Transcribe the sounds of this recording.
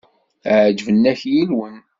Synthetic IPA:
ʕd͡ʒvənːæçjilwən

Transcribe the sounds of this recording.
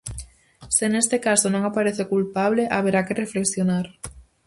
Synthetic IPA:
senest̪ekasonõŋapaɾeθekulpaβ̞leʔaβeɾakerefleksjonaɾ

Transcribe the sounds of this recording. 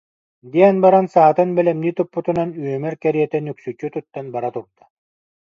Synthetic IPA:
d̪iɛnbaɾansaːt̪ɯnbɛlɛmniːt̪upːut̪unanyœmɛɾkɛɾiɛt̪ɛnyksyt͡ʃyt̪ut̪ːanbaɾat̪uɾd̪̥ḁ

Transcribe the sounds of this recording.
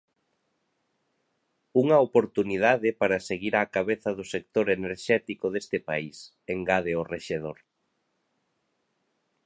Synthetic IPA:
uŋɐopoɾt̪uniðaðɪpaɾɐseɣiɾaːkaβeθɐðʊsek̚t̪oɾeneɾʃɛt̪ikʊðest̪ɪpais | eŋɡaðeoreʃeð̞oɾ

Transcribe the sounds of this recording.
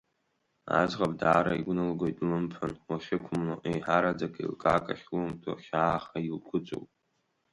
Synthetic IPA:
a̰zʁabʼdaːɾaiɡʷnɨlɡojtʼlɨmpʰanwaʃʲɪkʷʰʊmlaʔejħaɾad͡zakʼḭlkʼaːkʼaχʲlomtʰʼaχʲaːχailɡʷʰʊt͡ʃʷʼo̰wpʼ

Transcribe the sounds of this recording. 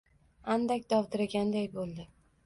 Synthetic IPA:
and̪akʲd̪ɒwt̪ɪɾaɡʲand̪ajbolˠd̪ɪ

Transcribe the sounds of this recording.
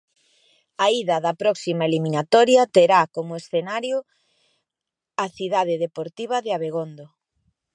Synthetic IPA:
aiðɐðɐpɾɔksimaeliminat̪ɔɾjɐt̪eɾakomʊesθenaɾjo | aθiðað̞eðepoɾt̪iβ̞ɐðɪaβeɣond̪o

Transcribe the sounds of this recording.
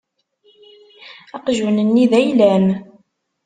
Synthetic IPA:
ɑqʒənənːiðæjlæm

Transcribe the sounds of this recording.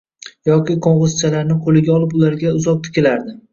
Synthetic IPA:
jɒkʲɪqʰoɴʁɨzt͡ʃʰalaɾnɪqʰolɪɡʲaɒlˠɪpʊlaɾɡʲaʊzɒq̚t̪ʰɪ̥kʲʰɪlaɾd̪ɪ

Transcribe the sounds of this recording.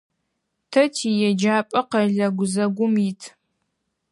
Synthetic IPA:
tʰɐtʰijɛd͡ʒaːpʼɐqɐɮɐɡʷʊzɐɡʷʊmitʰ

